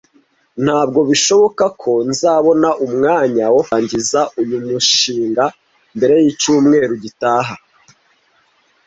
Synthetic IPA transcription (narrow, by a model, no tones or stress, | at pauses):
n̥haːb̚ɡo̞βiʃo̞βo̞kakʰo̞nzaːβo̞naʔumŋaːɲawohaːɲɟizaʔujumuʃiːŋɡa | mbe̞ɾe̞jicuːmŋe̞ːɾuɟitaːɦa